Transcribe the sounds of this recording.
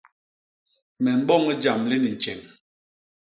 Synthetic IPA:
mɛ˨m̩˦bɔ˦˨ŋi˦d͡ʒa˨mli˦ni˨n˨t͡ʃɛ˨ŋ

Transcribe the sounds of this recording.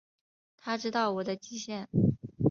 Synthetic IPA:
t̪ʰa˥ʈ͡ʂɻ̩˥t̪ɑ˥˩ʊwɔ˨˩d̪ə˦t͡ɕi˥ɕjɛ˥˩n

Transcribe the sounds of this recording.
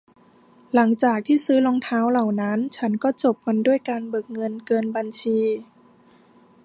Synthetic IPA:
la˩˦ŋt͡ɕaː˨˩k̚t̪ʰiː˥˩sɯː˦˥lo˧ŋt̪ʰaː˦˥wla˨˩wna˦˥nt͡ɕʰa˦˥nkɔː˥˩t͡ɕo˨˩p̚ma˧ndu˥˩əjkaː˧nbɤ˨˩k̚ŋɤ˧nkɤː˧nba˧nt͡ɕʰiː˧

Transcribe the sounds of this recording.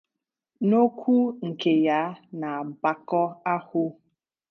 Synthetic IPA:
no˦kʷu˦ŋ̩˨ke˨ja˦na˨ba˨kɔ˦a˦hʊ˦

